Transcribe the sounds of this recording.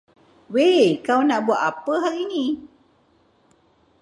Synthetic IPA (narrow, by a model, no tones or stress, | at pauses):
wekawnaʔbuaʔapəɦakini